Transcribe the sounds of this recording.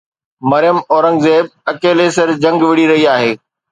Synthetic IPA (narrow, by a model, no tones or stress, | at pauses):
mɐɾɪjəmɔːɾə̃ŋɡzeːb̚ɐkeːlesɐɾd͡ʑɐ̃ŋɡʋɪɽiɾɐɦiaːɦeː